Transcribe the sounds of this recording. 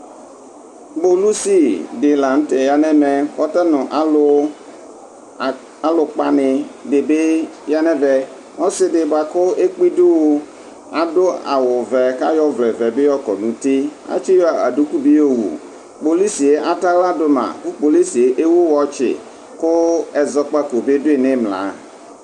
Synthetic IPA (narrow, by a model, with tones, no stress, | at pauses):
bo˨lu˦si˦dɪ˨la˨ñ̩˦tɛ˨ja˨nɛ̃˦mɛ˨k͡pɔ˦t̪ɛ˦nʊ̃˨ʔa˨˦lʊ˦˨ | a˨˦lʊ˨k͡pa˦nɪ̃˨de˨be˦ja˦nɛ̃˦vɛ˨ | ɔ˦sɪ˦dɪ˨ba˨kʊ˦e˦k͡pi˦du˦wo˦ | a˨dʊ˦a̰˨wʊ˨vɛ˨ka˦jɔ˦vlɛ˨vɛ˨be˦jɔ˦kɔ˨nũ˨t̪i˦a̰˦t͡ʃɪ˦jɔ˦˨a̰˨du˦ku˦bi˦jo˦wṵ˨ | k͡po˨li˦si˨e˦ʔa˨ta˦la˦dʊ˦mã̰˨ku˦k͡po˨li˦si˨e˨ʔe˦wʊ˦wɔ˨t͡ʃɪ̰˨ | kʊ˦ɛ˨zɔ˦k͡pa˦ko˨be˦dʊ˦e˨nẽ˦mla̰˨